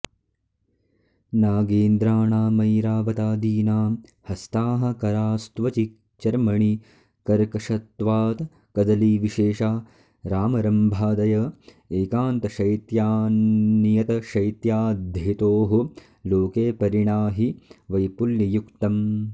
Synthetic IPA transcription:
naːɡeːnd̪ɾaːɳaːmɐjɾaːʋɐt̪aːd̪iːnaː | hɐst̪aːɦɐ̆kɐɾaːst̪ʋɐt͡ʃi | t͡ʃɐɾmɐɳi | kɐɾkɐʂɐt̪ʋaːt̪ | kɐd̪ɐliʋiʃeːʃaː | ɾaːmɐɾɐmbʱaːd̪ɐjɐ | eːkaːnt̪ɐʃɐjt̪jaːnijɐt̪ɐʃɐjt̪jaːd̪ʱjit̪oːɦu | loːkeːpɐɾiɳaːɦiʋɐjpuljɐjukt̪ɐm

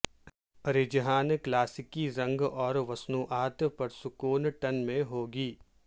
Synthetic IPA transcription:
ɐɾɪd͡ʒəɦaːnklaːsɪkiɾɐ̃ŋɡɔːɾʋɐsnuʔaːt̪pɐɾsʊkoːnʈɐnmẽɦoːɡiː

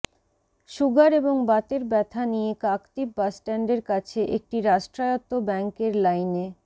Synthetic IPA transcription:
ʃuɡaɾeboŋbat̪eɾbɛt̪ʰanijekakt̪ip̚basʈɛɳɖeɾkat͡ɕʰeʔek̚ʈiɾaʃʈɾajot̪obɛŋkeɾlajne

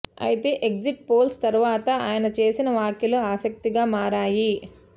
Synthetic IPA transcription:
ɐ̰jit̪e̞ːʔek̚d͡ʒiʈ̚po̞ːlst̪ɐɾuʋaːt̪ɐaːjɐnɐt͡ʃe̞ːsinɐʋaːkjɐluaːsɐk̚t̪iɡaːmaːɾaːji

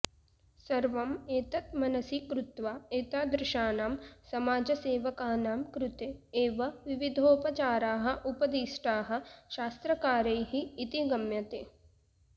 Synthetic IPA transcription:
sɐɾʋɐmeːt̪ɐt̪mɐnɐsikɾʊt̪ʋaːeːt̪aːd̪ɾɪʃaːnaːmsɐmaːd͡ʒɐseːʋɐkaːnaːmkɾut̪eːʋɐʋiʋid̪ʱoːpɐt͡ʃaːɾaːɦɐ̆ʔupɐd̪iːʃʈaːɦɐ̆ʃaːst̪ɾɐkaːɾɐjɦiːt̪iɡɐmjɐt̪eː

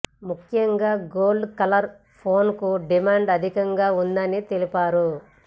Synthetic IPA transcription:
mukʰːjɐŋɡaːɡoːlɖkɐlɐɾ | pʰo̞ːnkuɖimaːɳɖɐd̪ʱikɐŋɡaːund̪ɐnit̪elipaːɾu

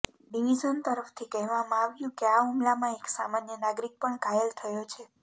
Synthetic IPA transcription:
ɖiʋid͡ʒənt̪əɾəft̪ʰikɛɦʋamãaʋjũkeaɦumlamãeksamanjənaɡɾik̚pəɳkajelt̪ʰəjot͡ʃʰe

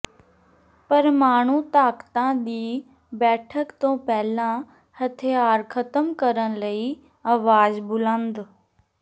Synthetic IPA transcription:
pɐɾmaːɳ̤ut̪aːkt̪ãɗ̪iː | bɛːʈʰəkt̪õːpɛːlã | hɐt̪ʰeaːɾkʰɐt̪əmkəɾəɽ̃ləi | aːʋaːzbʊlə̃nd̪

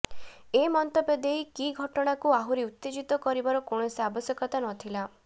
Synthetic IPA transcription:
emɔnt̪ɔbed̪ejkiɡʱɔʈɔɽ̃akuaɦuɾiut̪ːed͡ʒit̪ɔkɔɾibaɾɔkoɽ̃ɔsabɔsjɔkɔt̪anɔt̪ʰila

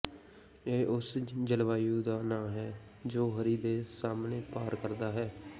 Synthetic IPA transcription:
eːʔʊsd͡ʒəlʋaːjũːd̪aːnãːɦɛː | d͡ʒoːɦəɾiːd̪eːsaːmneːpaːɾkəɾd̪aːɦɛː

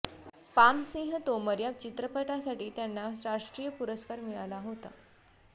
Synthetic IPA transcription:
pamsĩŋɦət̪oməɾjaʋt͡ɕit̪ɾəpəʈasaʈiːt̪janːasɾaʂʈɾiːjəpuɾəskaɾmiɭalaɦot̪a̰

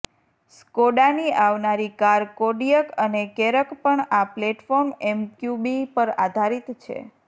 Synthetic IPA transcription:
skoɖaniʔaʋnaɾikaɾkoɖijəkənekeɾəkpəɳapleʈfɔɾmɛmkjubipəɾad̪ʱaɾit̪t͡ʃʰḛ

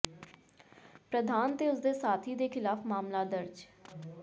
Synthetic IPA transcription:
pɾəd̪ʱaːnt̪eːʊsd̪eːsaːt̪ʰiːd̪eːkʰɪlaːfmaːmlaːd̪əɾd͡ʒ

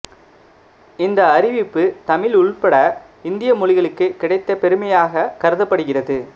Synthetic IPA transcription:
ɪnd̪ɐːɾɪʋɪpːɯt̪ɐmɪlʊɭpɐɽɐ | ɪnd̪ɪjɐmʊɻɪɣɐɭɯkːɯkːɪɽɐɪt̪ːɐpɛɾɯmɐjaːɣɐkɐɾɯðɐpːɐɽɯɣɪrɐðɯ

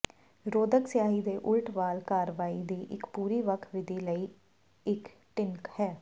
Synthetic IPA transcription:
ɾoːd̪əksɪjaːɦiːd̪eːʔʊlʈʋaːlkaːɾʋaːiːd̪iːʔɪkpuːɾiːʋəkʰʋɪd̪ʱiːləiː | ɪk | ʈɪŋkhɛː

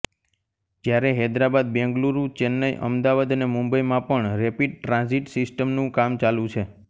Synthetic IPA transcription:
d͡ʒjaɾeɦɛd̪ɾabad̪̚bɛ̃ŋɡluɾut͡ʃɛnːəjʔə̰md̪aʋad̪ənemũmbəjmãpəɳɾɛpiɖ̚ʈɾãnziʈsɪsʈəmnũkamt͡ʃalũt͡ʃʰe

